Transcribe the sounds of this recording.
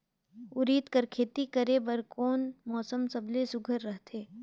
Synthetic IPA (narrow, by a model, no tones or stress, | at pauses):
ʊɾiːt̪kɐɾkʰeːt̪ikɐɾebɐɾkoːnmɔːsəmsɐblesʊɡʱəɾːəɦt̪ʰeː